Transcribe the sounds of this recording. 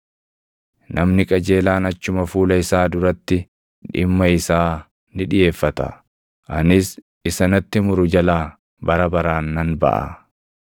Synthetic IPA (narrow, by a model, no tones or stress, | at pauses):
nɐmnɪkʼɐd͡ʒe̞ːlaːnɐt͡ʃːʊmɐfuːlɐɪsaːd̪ʊɾɐt̪ːɪ | ᶑɪmːɐɪsaː | nɪᶑɪje̞ːfːɐt̪ɐ̰ | ʔɐnɪs | ɪsɐnɐt̪ːɪmʊɾʊd͡ʒɐlaː | bɐɾɐbɐɾaːnːɐnbɐ̰ʔɐ̰